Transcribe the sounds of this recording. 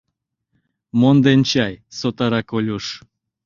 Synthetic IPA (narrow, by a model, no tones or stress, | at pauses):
mond̪ent͡ɕɑjsot̪ɑɾɑkolʲuʃ